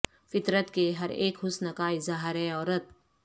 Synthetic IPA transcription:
fɪt̪ɾət̪keɦɐɾḛːkhʊsnəkaɪzaːɦɪɾɛɔːɾət̪̚

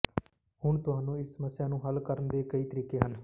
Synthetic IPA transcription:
hʊɳt̪ʊɦaːnũːɪssəməsːɪjaːnũːɦəlkəɾənd̪eːkəiːt̪əɾiːkeːɦən

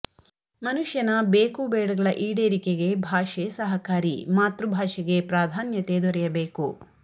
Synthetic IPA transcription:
mɐnuʃjɐnɐbeːkuːbɛːɽɐɡɐɭɐʔiːɽeːɾikeɡe̞bʱaːʃesɐɦɐkaːɾḭmaːt̪ɾubʱaːʃɛɡe̞pɾaːd̪ʱaːnjɐt̪ed̪ɔɾɛjɐbeːku

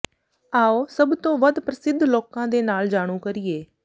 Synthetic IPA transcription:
aːoːsəbt̪õːʋəd̪pɾəsɪd̪ʱːloːkãːd̪eːnaːld͡ʒaːɽ̃ũːkəɾɪːeː

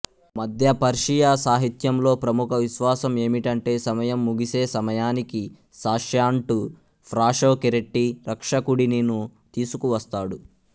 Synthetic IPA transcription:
mɐd̪ʱjɐpɐɾʂijaːsaːɦit̪jɐmlo̞ːpɾɐmukʰɐʋiʃʋaːsɐme̞ːmiʈɐɳʈe̞ːsɐmɐjɐmːuɡise̞ːsɐmɐjaːniki | saːʂjaːɳʈu | pʰɾaːʂoːkiɾeʈːiɾɐkʂɐkuɽininut̪iːsukuʋɐst̪aːɽu

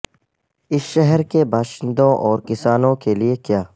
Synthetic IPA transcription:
ɪsʃɛɦɛɾkebʱaːʃɪ̃nd̪õʔɔːɾkɪsaːnõkeliekjaː

